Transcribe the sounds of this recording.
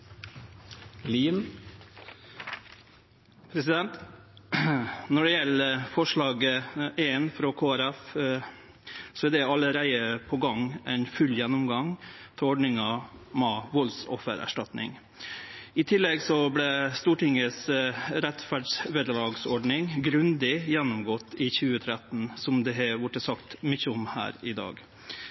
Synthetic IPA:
lin | pʰɾɛsɪd̪ɛnt̪ | nɔɖɛjɛləfɔʂɭɑːɡəeːnfɾɔkʰoːæɾæf | sɔɛd̪ɛɑləɾæɪəpʰɔɡɑŋʔɛɪnfʉlːjɛnːʊmɡɑŋt̪ʰɛɔɖɳɪŋɑmɑʋɔlsɔ̰fːə̰ɾæ̰ʂʈɑt̪nɪ̰ŋ | ɪt̪ʰɪlːɛɡsɔblɛst̪uːʈɪŋəsɾɛt̪fæɖʂʋeːd̪əlɑːɡsɔɖɳɪŋɡɾʉnd̪ɪjɛnːʊmɡɔt̪ːɪçʉːət̪ʰɾɛt̪n̩sɔmd̪ɛɦɛʋʊʈːəsɑkt̪mɪçəɔmhæ̰ːɾɪd̪ɑ̰ːɡ

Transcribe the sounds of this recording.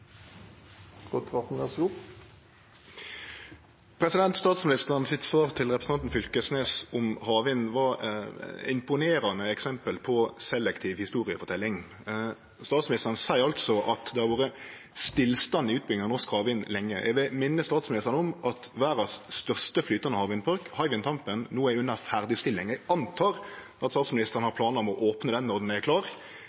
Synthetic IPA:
ʁot̪ʰʋɑʁt̪n̩ɛsu | pʰɾɛsɪd̪ɛnt̪st̪ɑːt̪smɪnɪst̪əʁnsɪt̪sʋɑːʁt̪ʰɪlʁɛpɾʁsn̩ɑnt̪n̩fʏlkəsneːsʊmhɑːʋɪnʋɑɾ | ɪ̰mpʊneːɾɑnəɛksɛmpəlpʰɔsɛlːɛkt̪ʰiːʋhɪst̪uːɾɪəfɔt̪ʰɛlːɪŋ | st̪ɑːt̪smɪnɪst̪əʁənsæɪɾɑlt̪sɔʔɑt̪d̪ɛhɑɾʋoːɾə | st̪ɪlːst̪ɑnːɪʉːt̪̚bʏlɪŋɑnɔskhɑːʋɪnlɛŋːəjʔɛ̰ɡʋɪlmɪnːəst̪ɑːt̪smɪnɪst̪ɾənɔmɑt̪ʋæːɾɑsst̪œʁʂt̪əflyːt̪ɑnəhɑːʋɪnpʰɔɾkhɑɪʋɪnt̪ʰɑmpənnːoːæɪʉnːəfæʁd̪ɪst̪ɪlːɪŋɛɑnt̪ʰɑːɾ | ɑt̪st̪ɑːt̪smɪnɪst̪əʁɾnhɑɾpʰlɑːnəɔmɔʔoːpnəd̪ɛnːɔʁd̪n̩ækʰlɑːɾ

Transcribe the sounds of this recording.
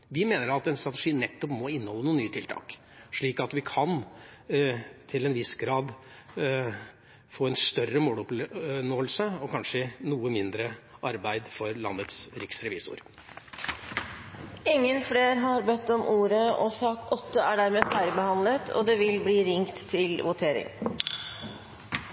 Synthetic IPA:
ʋɪmeːnəɾɑt̪ɛnst̪ɾɑt̪əʂiːnɛt̪ːɔpmɔɪnːəhɔlːənuːənyːət̪ʰɪlt̪ʰɑ̰ːk | ʂɭiːkɑt̪ʋɪkʰɑn | t̪ʰɪlɛnʋɪsɡɾɑːd̪ | foːɛnst̪œrəmoːlɔpnoːəlsəɔkʰɑnʂənuːəmɪnd̪ɾəʔɑɾbæɪd̪fɔɾlɑ̰nːət̪sɾɪksɾɛʋḭːsʊ̰ɾ | ɪŋːənfleːɾɦɑɾbɛt̪ːɔmʔuːɾəɔsɑːkɔt̪ʰːəæɖæɾmeːfæɾbəhɑnlət̪ʰɔ̰d̪ɛʋɪlbliːɾɪŋt̪ʰːɪlʋʊt̪ʰeːɾɪ̰ŋ

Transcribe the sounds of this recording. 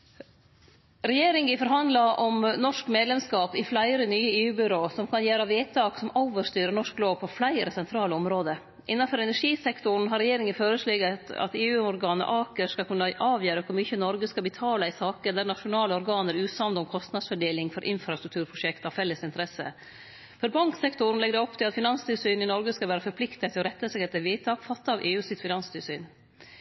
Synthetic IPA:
ɾɛjeːɾɪŋɪfɔɾɦɑnd̪lɑʔɔmnɔʂkmeːd̪lɛmskɑːpɪflæɪɾənyːəeːʉːbʏɾoːsɔmkʰɑnjæːɾɑʋeːt̪ʰɑːksɔmʔɔʊʋəst̪yːɾənɔʂkloːʋpʰɔflæɪɾəsɛnt̪ʰɾɑːləɔmɾoːd̪ə | ʔɪnːɑfɔɾɛnæʂiːsɛkt̪ʊɳ̩ɦɑɾːɛjeːɾɪŋəføːɾəʂlɛɡət̪ɑ̰t̪eːʉːʊɾɡɑːnə̰ʔɑːkəʂkɑlkʰʉnːəʔɑːʋjøːɾəkʰʊɾmʏçənɔɾɡəskɑbət̪ʰɑːləɪsɑːkəd̪æɾɳɑʂʊnɑːləɔɾɡɑːnəɾʉːsɑmd̪ɔmkʰɔst̪nɑd̪sfɔɖeːlɪŋfɔɾʔɪnfɾɑst̪ɾʉk̚t̪ʉːɾpʰɾʊʂɛkt̪ɑfɛləsɪnt̪əɾɛsə̰ | fɔɾbɑŋksɛkt̪ʊn̩lɛɡd̪ɛɔpːt̪ʰɪlɑt̪fɪnɑnst̪ɪlsyːnɪnɔɾɡəskɑʋæːɾəfɔɾpʰlɪkt̪ət̪ʰːɪlɔɾɛt̪ːəsɛkət̪ːɪʋiːt̪ʰɑːkfɑt̪ːɑʋʔeːʉːsɪt̪fɪnɑnst̪ʰɪlsyːn

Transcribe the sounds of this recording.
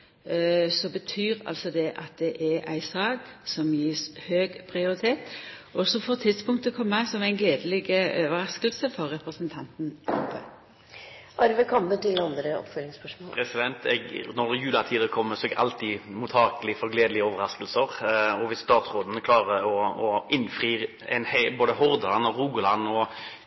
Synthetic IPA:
sɔbət̪ʰyːɾɑ̰lsɔd̪ɛʔɑt̪̚d̪ɛʔɛʔæ̰ɪsɑːɡsɔmjiːshøːɡpʰɾɪʊɾɪt̪ʰeːt̪ʔɔsɔfɔːʁt̪ʰɪd̪spʊŋkt̪əkʰɔmːəsɔmæɪnɡleːd̪əlɪɡəʔøːʋəɾɑskəlsəfɔɾːɛpɾəsənt̪ʰɑnt̪n̩ʰɑ̰mpːə̰ | ʔɑɾʋəkʰɑmbət̪ʰɪlɑnd̪ɾəɔ̰pfœlɪŋspœʂmɔːpɾɛsɪd̪ɛnt̪ɛɡnɔʁjʉːlɑt̪ʰiːd̪əɾəkʰɔmːəsɔɛɡɑ̰lt̪ʰimʊt̪ʰɑːkəlɪfɔɾɡleːd̪əlɪəoːʋəɾɑskəlsəʁɔʋɪst̪ɑːt̪sʁoːd̪n̩kʰlɑːʁəɔɔʔɪnfʁiː | ɛ̰ɪnhboːd̪əhɔʁd̪əlɑnɔʁuːɡʊlɑnɔ

